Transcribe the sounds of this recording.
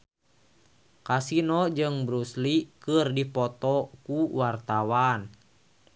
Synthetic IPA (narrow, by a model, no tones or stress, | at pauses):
kasinɔd͡ʒɨŋbɾuslikɨrdipɔt̪ɔkuwart̪awan